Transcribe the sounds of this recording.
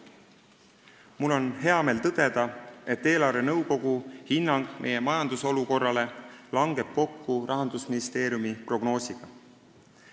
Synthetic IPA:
mulːo̞nɦe̞ɑme̞ːlt̪ɤd̪̥e̞d̪̥ɑe̞t̪ːe̞ːlɑrve̞nɤwko̞ɡ̥uhinːɑŋɡ̥me̞̰je̞mɑjɑnd̪̥uso̞luko̞rːɑle̞lɑŋɡe̞b̥̚ko̞kːurʔɑɦɑnd̪usminist̪e̞ːɾjumipro̞ɡno̞ːsʲiɡ̥ɑ

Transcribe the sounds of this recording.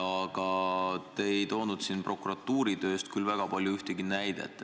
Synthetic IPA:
ɑɡ̥ɑt̪eejt̪o̞ːnud̪̥sinpro̞kuɾɑt̪ːuːɾid̪ø̞ːst̪̚kylvæɡ̥ɑpɑlʲjuyht̪eɡinæjd̪̥ḛt̪ːˑe

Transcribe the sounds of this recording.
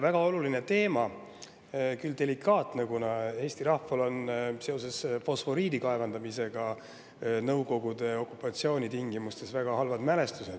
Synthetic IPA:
væɡ̥ɑo̞luline̞t̪e̞ːmɑ | kyld̪̥e̞likːˑɑːt̪nekunɑe̞ːst̪iɾɑhfɑlo̞nse̞o̞se̞sfo̞sfo̞ɾiːd̪ikɑe̞vɑnd̪ɑmise̞ɡ̥ɑ | nɤwko̞ɡ̥ud̪̥e̞o̞kːˑupːˑɑt̪sio̞ːnʲit̪iŋɡ̥imust̪e̞svæɡ̥ɑɦɑlvɑd̪mæle̞st̪used̪

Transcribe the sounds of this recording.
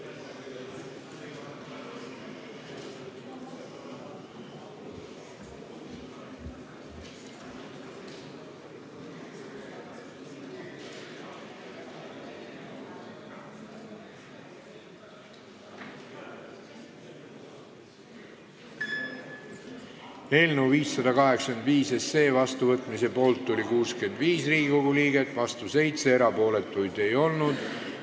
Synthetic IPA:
e̞ːlnewviːsːɑd̪ɑkɑɦe̞ksend̪viːse̞sːe̞ːvɑst̪uvɤt̪ˑmise̞po̞ːlt̪ːulʲikuːske̞nd̪viːsriːɡikoɡuliːɡe̞t̪ːˑvɑst̪use̞jt̪se̞eɾɑpo̞ːle̞t̪ːˑujd̪̥e̞jo̞lnud̪̥

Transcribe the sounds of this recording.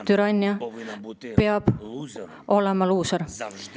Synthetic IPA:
t̪yɾɑnʲːjɑ | peɑb̥ | o̞lemɑluːsɑɾ

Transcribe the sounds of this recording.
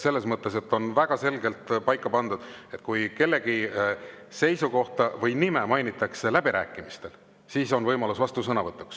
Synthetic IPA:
se̞lːesmɤt̪ːe̞se̞t̪ːˑo̞nvæɡ̥ɑse̞lɡe̞lt̪pɑjkːˑɑpɑnd̪̥ud̪̥e̞t̪̚kujke̞lːe̞ɡi | se̞jsuko̞ht̪ɑvɤjnime̞mɑjnit̪ːˑɑkse̞læb̥iɾæ̰ːkːˑimist̪e̞l | siːso̞nvɤjmɑlusvɑst̪usɤnɑvɤt̪ːɑku̥

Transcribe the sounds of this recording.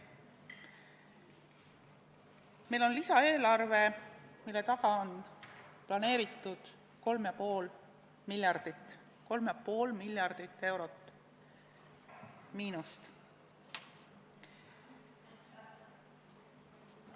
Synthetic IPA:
mejlo̞nlisɑe̞ːlɑrve̞milːe̞t̪ɑhɑonplɑne̞ːɾit̪ːˑud̪̥ | ko̞lmjɑpo̞ːl | miljɑrd̪̥it̪ː | ko̞lmjɑpo̞ːlmilʲjɑrd̪̥it̪ːe̞wɾo̞t̪ːˑ | miːnust̪

